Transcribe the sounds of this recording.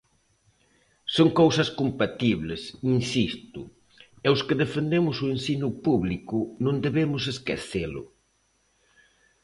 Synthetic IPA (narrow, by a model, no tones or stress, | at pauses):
soŋkowsɐskompat̪iβlesinsist̪ʊ | ɛʊskɪðefend̪emʊsʊensinʊpuβlikʊnõnd̪eβemʊs̬eskḛθelʊ̰